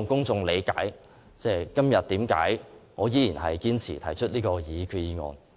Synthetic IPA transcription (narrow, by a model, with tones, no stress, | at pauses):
ŋkʊ˥ŋt͡sʊ˧ŋle˨˧jkaː˨˥j | t͡sɛː˧˩jkɐ˥mjɐ˨t̚t̪iː˨˥mka̰ː˨˥jŋɔː˨˧jiː˨˥ji˨˩nhɐ˨jkiː˥nt͡sʰḭː˨˩t̪ʰɐ˨˩jt͡ʃʰɵ˥t̚liː˥kɔː˧jiː˨˧kʰy˨˧jiː˧ŋɔ̰ː˧n